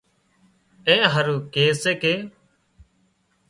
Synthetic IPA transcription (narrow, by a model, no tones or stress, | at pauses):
ẽːɦəɾuːkeːseːkeː